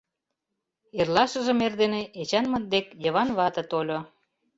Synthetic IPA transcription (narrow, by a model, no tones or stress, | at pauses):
erlɑʃə̆ʒə̆merd̪eneʔet͡ɕɑnmən̚d̪ekjəβɑnβɑt̪ɤ̆t̪olʲo